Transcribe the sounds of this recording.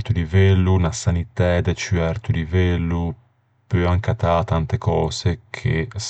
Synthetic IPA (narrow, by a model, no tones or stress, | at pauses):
t̪ulivɛlːunasanit̪ɛd̪ɛt͡ʃyɛɾt̪ulivɛlːu | pøaŋkat̪at̪ant̪ekɔːsekʰḛs